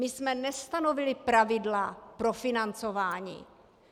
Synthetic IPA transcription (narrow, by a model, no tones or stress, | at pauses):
mɪsmɛnɛst̪ano̞vɪlɪpɾavɪdlapɾo̞fɪnant͡so̞vaːɲḭː